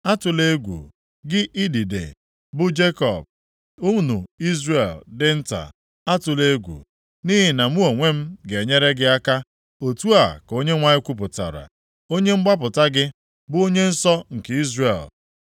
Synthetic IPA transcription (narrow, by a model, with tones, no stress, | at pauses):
a˦tʊ˨le˦ɡʷṵ˨ | ɡɪ˦ʔi˦di˨dḛ˨ | bʊ˦d͡ʒe˦kɔ̰˨b̚ | u˦nu˨i˦zre˨ldɪ˦n̩˦ta̰˨ | a˦tʊ˨le˦ɡʷṵ˨ | ni˦ɦi˨na˨mu˦o˨ŋʷe˦m̩˦ɡe˨ɲe˦ɾe˦ɡɪ˦a˦ka˦ | o˨tu˦a˨ko˦ɲe˦ŋʷa˦ɲɪ˦kʷu˦p̬ʊ˨ta̰˨ɾa̰˨ | o˦ɲe˦ŋ͡m̩˦ɡ͡ba˦p̬ʊ˨ta˦ɡɪ˦ | bʊ˦o˦ɲe˦n̩˦sɔ˦ŋ̩˨ki˦zɾe˨l